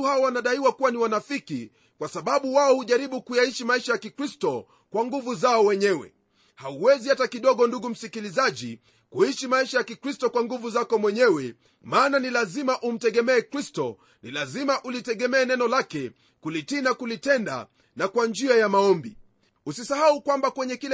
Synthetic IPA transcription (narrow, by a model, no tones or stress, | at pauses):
haɔwanaɗaiwakuwaniwanafiki | kwasaɓaɓuwaɔhuʄaɾiɓukujaiʃimaiʃajakikɾistɔ | kwaŋɡuvuzaɔwɛɲɛwɛ̰ | hauwɛzihatakiɗɔɠɔnduɡum̩sikilizaʄi | kuiʃimaiʃajakikɾistɔkwaŋɡuvuzakɔmwɛɲɛwɛ | maːnanilazimaʔum̩tɛɠɛmɛːkɾistɔ̰ | nilazimaʔulitɛɠɛmɛːnɛnɔlakɛ | kulitinakulitɛnda̰ | nakwand͡ʒiajamaɔmbi | usisahaukwambakwɛɲɛkilɛ